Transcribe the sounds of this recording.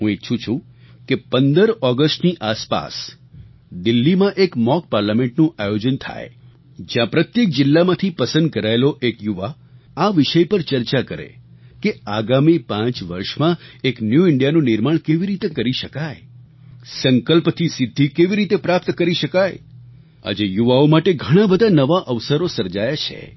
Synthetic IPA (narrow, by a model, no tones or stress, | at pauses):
ɦũet͡ʃʰũt͡ʃʰũ | kepənd̪əɾɔɡəsʈniʔaspa̰s | d̪ɪlːimãʔekmɔk̚paɾlamẽɳʈnũʔajod͡ʒənt̪ʰa̰j | d͡ʒjãpɾət̪jek̚d͡ʒɪlːamãt̪ʰipəsə̃nd̪̚kəɾaeloʔekjuʋa | aʋɪʃəjpəɾt͡ʃəɾt͡ʃakəɾḛkeaɡamipãt͡ʃʋə̰ɾʃmãeknjuɪɳɖijanũnɪɾmaɳ̃keʋiɾit̪ekəɾiʃəkaj | səŋkəlpt̪ʰisɪd̪ʱːikeʋiɾit̪epɾap̚t̪kəɾiʃəkaj | a̰d͡ʒejuʋaomaʈeɡʱəɽ̃ãbəd̪ʱanəʋaʔəʋsəɾosəɾd͡ʒajat͡ʃʰḛ